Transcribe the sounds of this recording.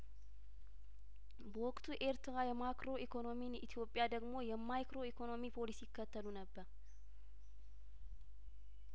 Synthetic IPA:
bəwɔkʼt̪ʰuʔe̞ɾt̪ɾajɛmakɾo̞ʔikʰo̞no̞minḭt̪ʰijo̞pʼːɪjad̪əɡmo̞jɛmajkɾo̞ikʰo̞no̞mipʰo̞lisijɪkːət̪ʰːəlunəbːəɾ

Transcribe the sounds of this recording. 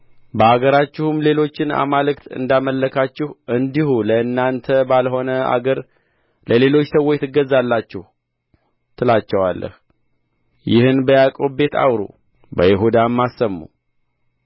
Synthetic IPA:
bəaɡəɾat͡ʃːɪhumle̞lo̞t͡ʃːɪna̰malɨkt̪ʰɨ̰nd̪aməlːəkʰat͡ʃːɪhɨnd̪ihuləɨnːant̪ʰəbalɦo̞nəa̰ɡəɾ | ləle̞lo̞t͡ʃːsəwːot͡ʃt̪ɨɡəzːalːat͡ʃːɪhu | t̪ʰɨlat͡ʃːɛwalːə̰h | jɪhɨnbəjakʼobe̞t̪ʰa̰wɾṵ | bə̰jɪɦud̪amːasːəmːṵ

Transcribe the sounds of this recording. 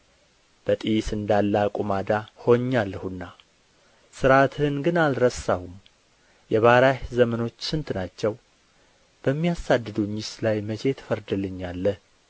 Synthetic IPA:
b̥ət̪ʼisɨnd̪alːakʼumad̪aho̞ɲːalːəhunːa | sɨɾat̪ʰhɨnɡɨnalɾəsːahum | jɛβaɾahzəməno̞t͡ʃːsɨnt̪nat͡ʃːɛw | b̥əmːijasad̪ːɨd̪uɲɪslajmət͡ʃʰe̞t̪ʰə̥fəɾd̪ɨlɨɲːalːəh

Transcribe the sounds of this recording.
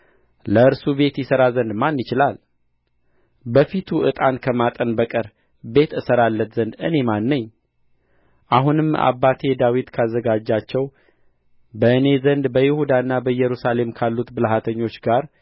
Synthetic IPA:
ləɨɾsube̞t̪jɪsəɾazənd̪manːɪt͡ʃɪlal | bəfit̪ʰuɨt̪ʼankʰəmat̪ʼənbəkʼəɾ | be̞t̪ɨsəɾalːət̪zənd̪ɨne̞manːəɲː | ʔaɦunɨma̰βːat̪ʰe̞d̪awit̪kʰazːəɡad͡ʒːat͡ʃːɛw | bəɨne̞zənd̪bəjɪhud̪anːabəjɛɾusale̞mkʰalːut̪bɨlɦat̪ʰəɲːo̞t͡ʃːɡaɾ

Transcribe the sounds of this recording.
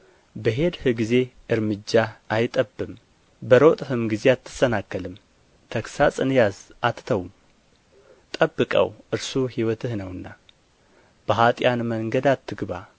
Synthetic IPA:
bəɦe̞d̪hɨɡize̞ʔɨɾmɨd͡ʒːaʔajt̪ʼəbːɨm | bəɾot̪ʼhɨmɡize̞at̪ʰːɨ̥sənakːəlɨm | t̪ʰəksasʼɨnjazʔat̪ːt̪ʰəwm | t̪ʼəbːɨkʼə̰wʔɨɾsuhiwɔt̪ʰɨhnəwɨnːa | b̥əɦat̪ʼjanməŋɡəd̪at̪ʰːɨɡβa

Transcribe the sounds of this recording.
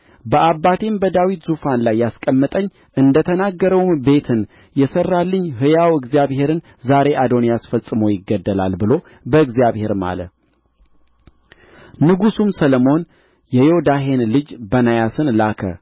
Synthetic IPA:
bəʔabːat̪ʰe̞mbəd̪awit̪zufanlajːaskʼəmːɨt̪ʼəɲː | ʔɨnd̪ət̪ʰənaɡːəɾəwmbe̞t̪ʰɨn | jɛsərːalːəɲːɦɨjawɨɡzjaβhe̞ɾɨn | zaɾe̞ʔad̪o̞njasfəsʼɨmojɪɡːəd̪ːəla̰lbɨlo̞ | bəɨɡzjaβhe̞ɾma̰lə̰ | nɨɡusumsələmo̞n | jɛjod̪aɦenlɨd͡ʒbənajasɨnlakʰə̰

